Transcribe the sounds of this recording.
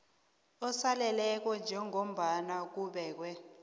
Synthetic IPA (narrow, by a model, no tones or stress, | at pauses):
ɔsalɛlɛk̬wɔnd͡ʒʱɛŋom̩ɓanak̬uːɓɛːk̬wɛ